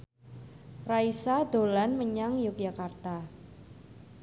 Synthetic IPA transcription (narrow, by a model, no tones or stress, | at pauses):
raisad̪̥o̤lanməɲaŋjuk̚jakart̪a